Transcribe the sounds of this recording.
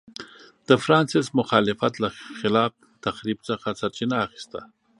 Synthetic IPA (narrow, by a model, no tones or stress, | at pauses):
d̪̥əfɾɑːnsɪsmʊxɑːlɪfat̪laxɪlɑːf | t̪axɾibt͡səxasaɾt͡ʃinaːxi̥st̪a̰